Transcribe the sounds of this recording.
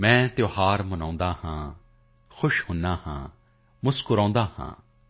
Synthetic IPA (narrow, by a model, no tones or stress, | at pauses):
mɛ̃ːt̪joːhaːɾmənãːnd̪aːhãː | xʰʊʃhʊnːaːhã̰ː | mʊskʊɾɔ̃ːnd̪aːhã̰ː